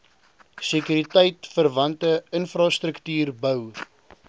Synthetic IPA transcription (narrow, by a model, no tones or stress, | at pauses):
sekyɾitɛjtfərvɐntəənfrɑst̪ɾəktyːrbœw